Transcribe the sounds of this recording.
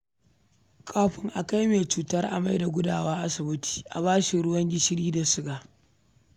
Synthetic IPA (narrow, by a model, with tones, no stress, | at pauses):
kʰʼaː˦ɸɪ˦ŋʔa˨ka˦jmeː˨t͡ʃuː˦tɐ˦rʔa̰˨ma˦jda˨ɡʷʊ˦daː˦˨wa˦ʔa˦sɪ˨bʊ˦tʰi̥ː˨ʔa̰˨βaː˦ʃi˨ɽʊ˦wɐ˦ŋɡʲɪ˦ʃɪ˦ɽiː˦da˨sʊ˦ɡaː˨